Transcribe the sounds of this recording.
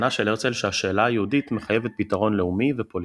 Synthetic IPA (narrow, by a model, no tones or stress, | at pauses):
naʃe̞le̞t͡selʃehaʃe̞ːlaːjeudit̪meχajevet̪̚pitaʁo̞nleumivepo̞l